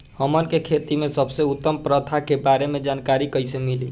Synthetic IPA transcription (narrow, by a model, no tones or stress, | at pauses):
həmənkekʰet̪imesəbseut̪ːəmpɾət̪ʰakebaɾemed͡ʒankaɾikəjsemili